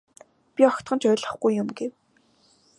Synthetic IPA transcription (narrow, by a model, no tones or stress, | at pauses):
pʲiɔxkt̪ɢɞ̆nt͡ɕʰœːɮə̆χɡujːʊmɡew